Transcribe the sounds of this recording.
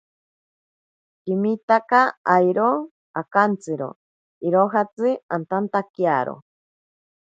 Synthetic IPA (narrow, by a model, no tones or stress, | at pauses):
kimit̪akaajɾo | akant͡sɨɾo̰ | iɾoɦat͡sɨant̪ant̪akjaɾo̰